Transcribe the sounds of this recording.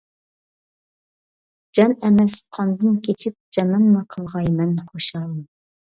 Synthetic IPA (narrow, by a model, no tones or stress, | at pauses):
d͡ʒɑnɛmɛs̚qʰɑnd̪ɨnkʲʰet͡ʃʰip̚d͡ʒɑnɨmnɑqʰəlˠʁɑjmɛnχoʃɑlˠɨm